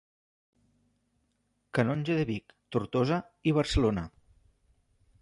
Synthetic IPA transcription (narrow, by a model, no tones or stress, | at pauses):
kanonʲʒeðeβikt̪uɾt̪ozə | iβəɾsəlonə